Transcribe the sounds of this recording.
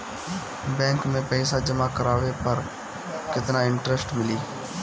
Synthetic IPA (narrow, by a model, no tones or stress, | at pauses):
bɛ̃ːŋkmẽpɛːɪsad͡ʒɐmakɐɾaːʋepɐɾ | kɪt̪naɪ̃ɳʈɾesʈmɪliː